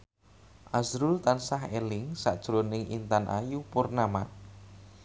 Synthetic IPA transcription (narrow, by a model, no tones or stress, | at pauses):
ʔazɾult̪ansaɦelɪŋsaʔd̥ʒ̥ɾonɪŋʔḭnt̪anʔa̰jupʊrnamat̪